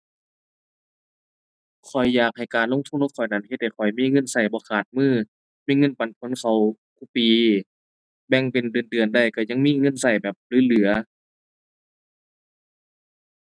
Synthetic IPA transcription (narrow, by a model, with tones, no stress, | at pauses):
kʰɔ˨˩jːaː˨˩k̚ha˨˩jkaː˨nlo˧˨ŋt̪ʰu˧˨lːkʰɔ˨˩jna˧˩nhe˧t̪̚ha˨˩jkʰɔ˨˩jmiː˧˥˨ŋɤ˧˥˨nsa˧˩jbɔː˧˦kʰaː˨˩t̪̚mɯː˧˥˩ | miː˧˥˨ŋɤ˧˥˨npa˨npʰo˧˦˨nsa˨˧˦w | kʰuː˧˥˨piː˨˩ | bɛ˧˩ŋpe˨˩ndɯː˨˩əndɯ˨˩ənda˧˩jka˧˩ɲa˧˨ŋmiː˧˥˨ŋɤ˧˥˨nsa˧˩jbɛː˨˩p̚lɯː˨˧˥lɯ˨˩˦ɐ